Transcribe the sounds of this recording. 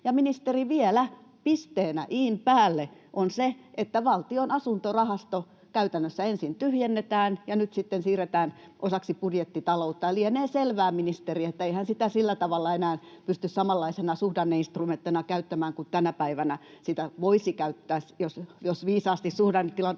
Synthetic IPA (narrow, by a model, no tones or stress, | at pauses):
jɑminist̪eriʋielæ | pist̪eːnæ̰ʔiːmpæːlːeʔonseʔet̪ːæʋɑlt̪ionɑsunt̪orɑhɑst̪o | kæyt̪ænːøsːæensint̪yhjenːet̪æːnjɑnyt̪sit̪ːensiːret̪æːnʔosɑksipudjet̪ːit̪ɑlout̪ːɑɑlieneːselʋæːminist̪eriet̪ːæeihænsit̪æsilːæt̪ɑʋɑlːɑenæːnpyst̪yssɑmɑlːɑisenɑsuhdɑnːeinst̪rument̪ːenɑkæyt̪ːæmæːŋkut̪ænæpæiʋænæsit̪æʋoisikæyt̪ːæːsjosjosʋiːsɑːst̪issuhdɑnːet̪t̪ilɑ